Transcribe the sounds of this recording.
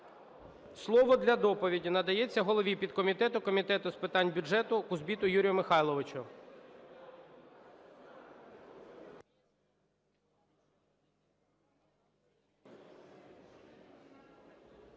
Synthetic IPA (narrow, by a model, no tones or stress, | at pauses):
slˠɔʋɔd̪lʲɐd̪ɔpɔʋʲidʲinɐd̪ɐjet͡sʲːɐɦɔlˠɔʋʲipʲid̪kɔmʲit̪ɛt̪ʊkɔmʲit̪ɛt̪ʊspɪt̪ɑnʲbʲʊʒɛt̪ʊkʊzbʲit̪ʊjuɾʲijʊmɪxɑjlˠɔʋɪt͡ʃʊ